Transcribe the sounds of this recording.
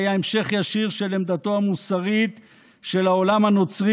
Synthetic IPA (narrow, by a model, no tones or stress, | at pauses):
jaemʃe̞χjaʃiʁʃe̞lemd̪at̪o̞amusaʁit̪ | ʃe̞lao̞lamhano̞t͡sʁi